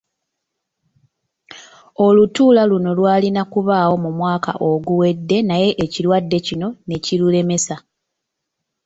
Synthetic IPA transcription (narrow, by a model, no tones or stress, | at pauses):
o̞lutuːlaluno̞lwaːlinakuβaːwo̞mumwaːka̰ʔo̞ɡuwe̞dːe̞naje̞ʔːciɾwadːe̞cino̞ne̞cilule̞me̞sa